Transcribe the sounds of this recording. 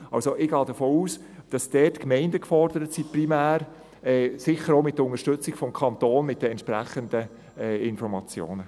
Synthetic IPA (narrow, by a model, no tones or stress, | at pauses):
ɑ̰lsoʔɪɡɑːdəfoːuːs | d̥ɑsd̥ɛːtkmɛɪndəkfɔɾd̥əɾətsiprimæːɾ | ɛsɪχəɾoʊmɪtdəʊŋəʃtʏt͡sɪɡ̥fɔmkʰɑnt̪oːnmɪt̚d̥əɛntʃpɾæ̰χənd̥ə | ɛɪnfɔɾmɑt͡sjo̰ːnə